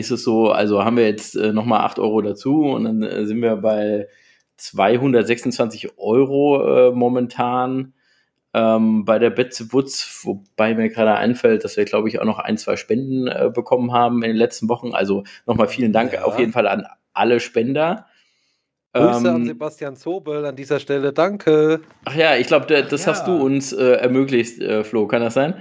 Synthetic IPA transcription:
ʔɪstɛsz̥oːʔa̰lzohaːbm̩viːɐjɛt͡stʔɛ̰ːnɔχmaːlʔa̰χtʔɔ̰ʏʁodat͡suːʊ̰ntd̥anɛ̰ːzɪntv̥iːɐbaɪ | t͡sv̥aɪɦʊndɐtz̥ɛksʊntt͡sv̥ant͡sɪçʔɔʏʁoʔɛːmɔmɛntʰaːn | ʔɛːmbaɪɾeːɐbɛt͡sv̥ʊt͡svob̥aɪmiːɐɡʁaːɾəʔa̰ɪnfɛlt̚d̥asv̥iːɐɡlaʊbəɪça̰ʊxnɔχʔa̰ɪnt͡sv̥aɪʃpɛndn̩ʔɛ̰ːbəkʰɔmənɦaːbm̩ɪndeːnlɛt͡stn̩vɔχn̩ʔa̰lzonɔχmaːlfiːləndaŋka̰ʊfjeːdn̩fala̰n | ʔa̰ləʃpɛndɐ | ʔɛːməzebastjaːnt͡soːbəlandiːzɐʃtɛlədaŋkʰə | ʔaχjaːɪçɡ̥laʊbədd̥ashast̚d̥uːʊnsʔɛːɛɐmøːklɪçtʔɛ̰ːfloːkʰandasz̥aɪn

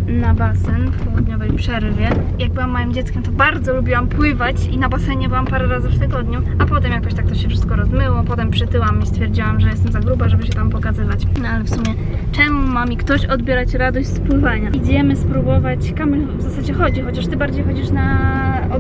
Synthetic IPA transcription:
nabasɛnfpɔwud̪ɲɔvɛjpʂɛɾvʲjɛ | jaɡ̚bɘwamːɔjimd͡ʑɛt̪skʲɛmt̪ɔbaɾd̪zɔlubʲiwampwɘvat͡ɕinabasɛɲɛbɘwampaɾɛɾazɨft̪ɘɡɔd̪ɲuapɔt̪ɛmjakɔɕt̪ak̚t̪ɔɕɛfʂɘst̪̚kɔɾɔzmɘwɔpɔt̪ɛmpʂɘt̪ɘwamist̪fʲjɛɾd͡ʑiwamʐɛjɛst̪ɛmzaɡɾubaʐɛbɘɕɛt̪ampɔkazɘvat͡ɕnɔalɛfsumʲjɛ | t͡ʂɛmumamʲikt̪ɔɕɔd̪bʲjɛɾat͡ɕɾad̪ɔɕt͡ɕʲspwɘvaɲaid͡ʑɛmɘspɾubɔvat͡ɕkamɛvzasad͡ʑɛxɔd͡ʑixɔt͡ɕaʂt̪ɘbaɾd͡ʑejxɔd͡ʑiʂna | ɔ

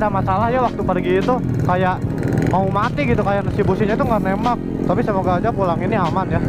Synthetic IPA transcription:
damasalahjawak̚t̪upərɡiːt̪u | kajaʔmaumat̪iɡit̪ukajaʔresibusiɲat̪uŋɡamemak̚ | t̪apisəmoɡaːd͡ʒapulaŋiniamanja

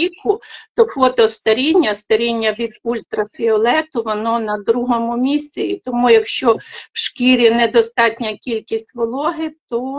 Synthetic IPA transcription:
ikʰʊt̪ɔfɔt̪ɔst̪ɐɾʲinʲːɐst̪ɐɾʲinʲːɐʋʲid̪ulʲt̪ɾɐfʲiɔlˠɛt̪ʊʋɔnɔnɐd̪ɾuɦɔmʊmʲisʲt͡sʲiit̪ɔmujɐkʃt͡ʃɔwʃkʲiɾʲinɛd̪ɔst̪ɑtʲnʲɐkʲilʲkʲisʲtʲʋɔlˠɔɦɪt̪ɔ

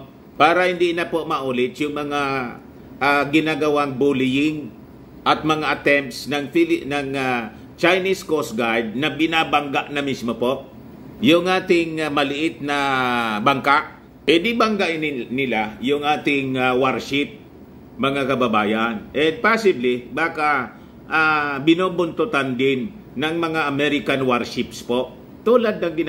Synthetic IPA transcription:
paːɾɐhɪnd̪inapoʔmɐʔuːlɪt̪jʊŋmɐŋa | ʔaɡɪnaɡɐwaŋbulɪjɪŋ | ʔɐt̪̚mɐŋaʔɐt̪ɛmpt̪snɐŋfilnɐŋa | t͡ʃajniskosɡajd̪̚nɐbɪnabaŋɡaʔnɐmismopo̞ʔ | jʊŋʔaːt̪ɪŋmɐlɪʔɪt̪̚nɐbaŋkaʔ | ʔɛd̪ibaŋɡaʔɪnɪlajʊŋʔaːt̪ɪŋawaɾʃɪp̚ | mɐŋakɐbɐbaːjanɛnd̪̚pasɪblɪbaːka | ʔabɪnoːbʊnt̪ʊt̪and̪ɪnː | ɐŋmɐŋaʔɐmɛɾɪkanwaɾʃɪpspoʔ | t̪uːlad̪̚nɐŋɡɪn

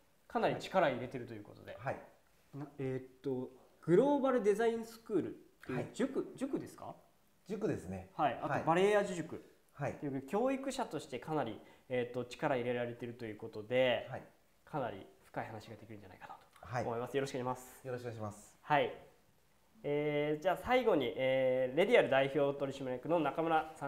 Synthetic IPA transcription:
kanaɾʲit͡ɕi̥kaɾaiɾe̞t̪e̞ɾɯ̟t̪o̞jɯ̟kot̪o̞d̪e̞̰ha | naeːt̪ːo̞ | ɡ̥ɯ̟ɾo̞ːbaɾɯ̟d̪e̞zaĩɰ̃sɨ̥kɯ̟ːɾɯ̟t̪ːejd͡ʑɨkɯ̟d͡ʑɨkɯ̟d̪e̞sɨ̥ka̰ | d͡ʑɨkɯ̟d̪esɨnehaiʔat̪obaɾe̞ːaʑɨʑɨkɯ̟ | hait̪ejɯk̪okʲo̞ːikɯ̟ɕat̪o̞ɕi̥t̪ekʰanaɾʲieːt̪ːo̞t͡ɕi̥kaɾaiɾe̞ɾaɾe̞t̪e̞ɾɯ̟t̪o̞jɯ̟ːko̞t̪o̞d̪e̞ | kʰana̰ɾʲḭɸɯ̥kaihanaɕiɡad̪ekʲiɾɯ̟̃ɲd͡ʑana̰ikḁnat̪o̥aomo̞imasɨjo̞ɾoɕikɯimasɨ̥jokmashai | eːd͡ʑaːsaiɡo̞ɲ̟iʔeːɾe̞d̪ʲiaɾɯ̟d̪aiço̞ːt̪o̞ɾʲiɕimaɾiakɯ̟no̞nakamɯ̟ɾasã

